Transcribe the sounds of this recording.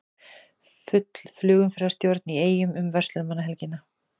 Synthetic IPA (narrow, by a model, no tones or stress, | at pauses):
fʏt̪l̥flʏːɣʏmfɾaðɪ̥ɾst̪jowɾt̪̚nieːjʏmʏmvɛrst̪lʏmanːaɦɛlcɪnːa